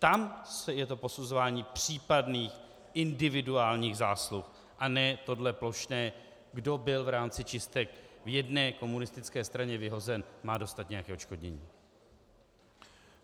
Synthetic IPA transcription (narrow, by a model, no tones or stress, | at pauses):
t̪amsɛjɛt̪o̞po̞suzo̞vaːɲiːpr̝̥iːpadniːx | ʔɪndɪvɪduaːlɲiːɣzaːslux | ʔanɛːt̪o̞dlɛplo̞ʃnɛː | ɡdo̞bɪlvɾaːmt͡sɪt͡ʃɪst̪ɛkvjɛdnɛːko̞munɪst̪ɪt͡skɛːst̪ɾaɲɛvɪɦo̞zɛnmaːdo̞st̪at̪̚ɲɛjakɛːʔot͡ʃko̞dɲɛ̰ɲiː